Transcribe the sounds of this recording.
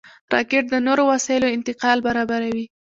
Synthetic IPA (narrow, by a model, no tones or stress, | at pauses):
ɾɑ̰keʈ̚d̪ənoɾowasɑjɪloɪnt̪ɪqɑlbaɾɑbaɾawi